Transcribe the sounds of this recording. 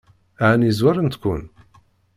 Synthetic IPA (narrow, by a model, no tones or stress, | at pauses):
aʕənizwaɾənt̪kʷːʊ̰n